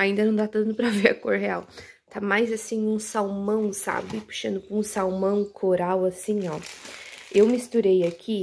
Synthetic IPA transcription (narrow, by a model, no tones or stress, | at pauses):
aĩnd̪ɐnɐ̃w̃d̪at̪ɐ̃nt̪ʊpɾɐveɾɐkoɾɦeaw | t̪ʰamajzasĩjũsawmɐ̃w̃sa̰bɪpu̥ʃɐ̃nd̪ʊpʊũsawmɐ̃w̃kʰoɾawasĩɲɔ | ewmist̪uɾejakʰi